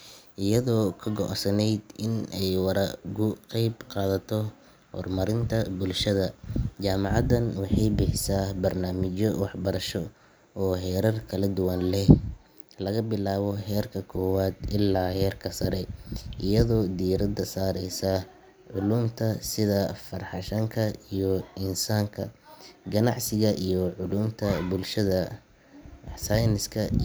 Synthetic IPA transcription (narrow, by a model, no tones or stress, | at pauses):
ʔɪjɐðɔːkʰɐɡɔʕsɐnɛjd̪ɪnɛjwɑɾɐɡʊqɛjbqɑːðɐt̪ʰɔ | hɔ̰rmɐɾɪnt̪ʰɐbʊlʃɐðɐt͡ʃaːmɑʕɑd̪ɐnwɑħɑjbɪħɪsaːbɐrnaːmɪt͡ʃɔwɑħbɐɾɐʃɔ | ɔːɦɛːɾɐrkʰɐlɐd̪ʊwɐnlɛh | lɐɣɐbɪlaːβɔɦɛːrkʰɐkʰɔːwaːd̪ɪlːaːhɛːrkʰɐsɐɾɛʔɪjɐðɔːd̪iɾɐd̪ɐsaːɾɛjsɐ | ʕʊluːmt̪ʰɐsɪðɐfɐrħɑʃɐŋkʰɐijɔɪnsaːŋkʰɐ̰ɡɐnɑʕsɪɣɐʔijɔʕʊluːmt̪ʰɐbʊlʃɐðɐ | sajnɪskʰɐ